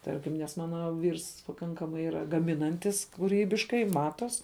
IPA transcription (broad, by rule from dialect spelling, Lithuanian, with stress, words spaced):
ˈtɐrʲkʲɪm nʲɛs ˈmɑːnɐ ˈʋʲiːrs pɐˈkɐŋkɐmɐɪ ˈiːrɐ ɡɐˈmʲɪnɐnʲtʲɪs kuːˈrʲiːbʲɪʃkɐɪ ˈmɑːtoːs